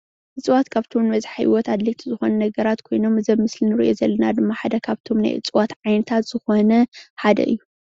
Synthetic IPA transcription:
ʔɨt͡sʼwat̪kʰaβt̪ʰo̞mmɐzħajwɔt̪ad̪let̪ʰizɨxonɐnɐɡɐɾat̪kʰo̞jno̞mɨzɐmːɨslinɨɾḭʔo̞zɐlːɐnad̪ɨmːaħad̪ɐkʰaβt̪ʰo̞mna̰jʔɨ̰t͡sʼwat̪ʕajnɐt̪ʰat̪z̥ɨxo̞nɐħad̪ɐ̰ʔɨ̰jːu

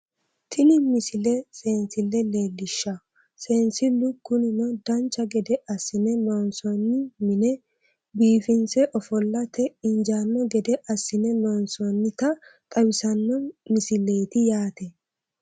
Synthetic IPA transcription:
t̪ʰɪnɪmɪsɪlɛseːnsɪlːɛle̞ːlːɪʃːa | seːnsɪlʊɡːʊnɪnɔd̪ɐnt͡ʃːɐɡɛd̪ɛʔɐsːɪnɛloːnsɔnːɪmɪnɛ | biːfɪnsɛʔɔfɔlːɐt̪ɛɪnd͡ʒaːnːɔɡɛd̪ɛʔɐsːɪnɛloːnsɔnːɪt̪ɐk̪ʼɐwɪsɐnːɔmɪsɪle̞ːt̪ɪjaːt̪ɛ

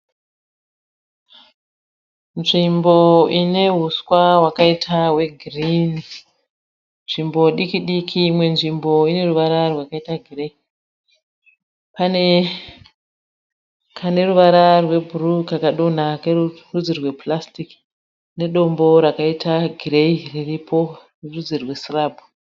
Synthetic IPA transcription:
nʐimbo̞ine̞ɦuswawakaitʰaɦwe̞ɡʱirini | nʐimbo̞ɗikiɗikʰimwe̞nʐimbo̞ine̞ruʋaɾarwakaitaɡʱire | pane̞ | kʰane̞ruʋaɾarwe̞bʱurukakaɗo̞n̤akerurud͡zirwe̞plastik | ne̞ɗo̞mbo̞ɾakaitʰaɡʱire̞iriripʰorirud͡zirwe̞sirabʱu

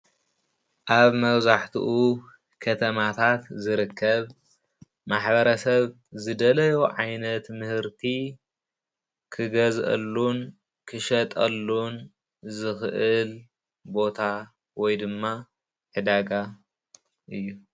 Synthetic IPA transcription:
ʔaβmɐβzaħt̪ʰṵʔu | kʰɐt̪ʰɐmat̪ʰat̪zɨɾɨkʰːɐβ | maħbɐɾɐsɐβ | zɨd̪ɐlɐjuʕajnɐt̪mɨhɨɾt̪ʰi | kʰɨɡɐzʔɐ̰lːun | kʰɨʃɐt̪ʼɐlːun | zɨxɨʔɨl | bo̞t̪ʰa | wɔjd̪ɨmːa | ħɨd̪aɡa | ʔɨjːu

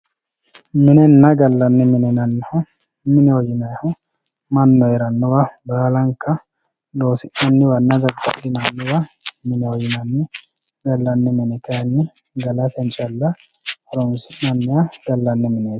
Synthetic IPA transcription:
mɪnɛnːɐɡɐlːɐnːɛmɪnɛnɐnːhʊ | mɪnɛwɔjɪnɐhʊ | mɐnːɔjɛɾɐnːʊwɐbaːlɐŋkɐ | loːsɪʔɐnːɪwɐnːɐd̪ɐɾdɐ̰d̪ɪnanːʊwɐ | mɪnɛwɔjɪnɐnːɪ | ɡɐlːɐnːɛmɪnɛkɐɐnːɪ | ɡɐlɐt̪ɛnt͡ʃʼɐlːɐ | ɐɾɔnsɪʔɐnːɪjaɡɐlːɐnːɛmɪnɛ̥

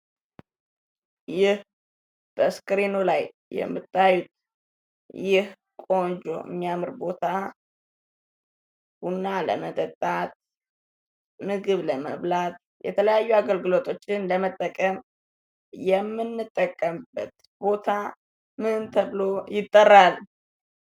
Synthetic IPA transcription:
jɪh | b̥əskɨɾenolaj | jɛ̰mːɨt̪ʼːajut̪ | jɪh | kʼo̞nd͡ʒo̰ɨ̰mːijamɨɾbo̞t̪ʰa | hunːalə̰mət̪ʼət̪ʼːat̪̚ | mɨɡɨβləməβlat̪̚ | jɛ̰t̪ʰələjajːuaɡəlɡɨlo̞t̪ʼʰo̞t͡ʃːɪnləmət̪ʼːəkʼəm | jɛmːɨnːɨt̪ʼːəkʼːəmbət̪ | bo̞t̪ʰa | mɨɨnt̪ʰəβɨlo̞jɪt̪ʼːərːal

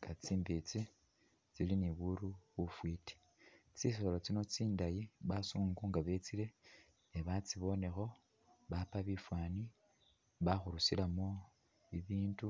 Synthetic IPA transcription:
ŋɡat͡siːmbit͡si | t͡siliniβuɾuβufwiti̥ | t͡sis̬oolat͡sino̞t͡siːndajiβasuːŋɡuːŋɡaβe̞t͡sile̞ | eβat͡siβo̞ne̞xo̞ | βapaβifwaːni | βaxuɾusilamo̞ | iβiːndu

